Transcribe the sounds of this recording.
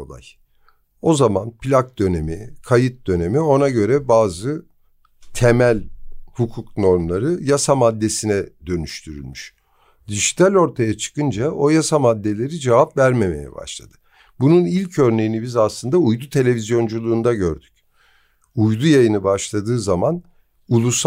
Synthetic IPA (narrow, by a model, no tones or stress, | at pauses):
lˠa̰j | o̞zamanpʰlʲak̚d̪ø̞ne̞mikʰajɯt̪̚d̪ø̞ne̞mio̞naɟø̞ɾɛbaːzɯ | t̪ʰemælʲhukʰukno̞ɾmlˠaɾɯjasamad̪ːe̞sinɛd̪̥ø̞nyʃt̪ʰyɾy̰lʲmyʃ | d̪iʒit̪ʰalʲo̞ɾt̪ʰajat͡ʃʰɯ̥kɯnd͡ʒao̞jasamad̪ːe̞lʲe̞ɾid͡ʒe̞vapvæɾme̞me̞̰jɛ̰ba̰ʃlˠa̰d̪̥ɯ̥ | bununilʲcʰø̞ɾne̞jinibizaslˠɯnd̪aujd̪ut̪ʰe̞lʲe̞vizjo̞nd͡ʒulˠuːnd̪aɟø̞̰ɾd̪y̥c | ujd̪ujajɯnɯbaʃlˠad̪ɯːzaman | ulˠus